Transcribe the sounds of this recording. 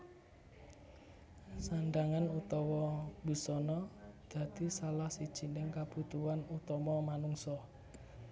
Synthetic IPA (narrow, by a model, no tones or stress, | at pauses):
sanɖaŋanut̪ɔwɔbṳsɔnɔd̪̥ä̤d̪̥isalahsid̥ʒ̥i̤nɪŋkaput̪uanut̪ɔmɔmanuŋsɔ